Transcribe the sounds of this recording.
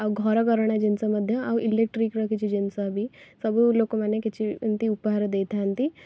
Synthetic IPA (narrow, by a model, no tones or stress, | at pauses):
aɡʱɔɾkəɾɳad͡ʑint͡saməd̪ʱːjəaʋʔilek̚ʈɾikɾəkit͡ɕid͡ʑinsabʱiːsəbuːlokomanjekit͡ɕint̪iupɦaɾd̪et̪ʰant̪i